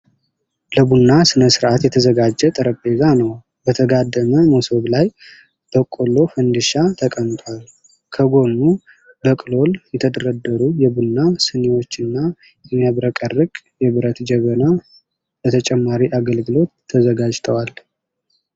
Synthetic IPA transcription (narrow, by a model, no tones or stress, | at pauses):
ləbunːasɨnəsɨɾʔat̪jɛt̪ʰəzəɡad͡ʒːɛt̪ʼɨɾəpʼːe̞zanəw | bət̪ʰəɡad̪ːəməmoso̞βlaj | b̥əkʼo̞lːo̞fənd̪ɨʃat̪ʰəkʼənt̪ʰʼwal | kʰəɡo̞nːu | bəkʼɨlo̞ljɛt̪ʰəd̪əɾəd̪ːəɾujɛbunːasɨnewo̞t͡ʃːɨnːa | jɛmjaβɾəkʼərːɨkʼ | jɛβɨɾət̪d͡ʒɛβəna | b̥ət̪ʰət͡ʃʼɛmːaɾiʔaɡəlɡɨlo̞t̪ʰːəzəɡad͡ʒt̪ʰəwal